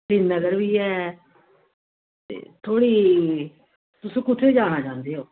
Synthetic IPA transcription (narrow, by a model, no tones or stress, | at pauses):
dɪnːəɡəɾʋiːɛː | t̪ḛːt̪ʰoːɽiː | t̪ʊsũːkʊt͡ʃʰiːd͡ʒaːɽ̃aːd͡ʒãːnd̪eːoː